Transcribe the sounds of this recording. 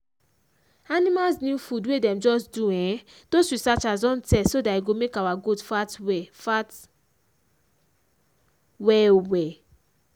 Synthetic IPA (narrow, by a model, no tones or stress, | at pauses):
anĩmalznĩfudwedɛ̃md͡ʒɔsduɛ̃ | d̥ozɹisat͡ʃazɔ̃ntɛsodaiɡomekawaɡudfatwɛfat | wɛwɛ